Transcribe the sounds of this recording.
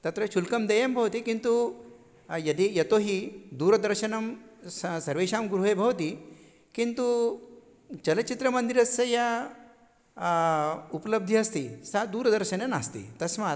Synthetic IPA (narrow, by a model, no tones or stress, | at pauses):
t̪ɐt̪ɾɐʃulkɐmd̪ɐjɐmbʱɐʋɐt̪ikint̪u | jɐd̪ijɐt̪oːɦid̪uːɾɐd̪ɐɾʃɐnɐmssɐɾʋeːʃaːmɡɾuɦeːbʱɐʋɐt̪i | kint̪u | t͡ʃɐlɐt͡ʃit̪ɾɐmɐnd̪iɾɐsɐjɐ | upɐlɐb̚d̪ʱiɐst̪isad̪uːɾɐd̪ɐɾʃɐnɐnaːst̪ḭt̪ɐsmaː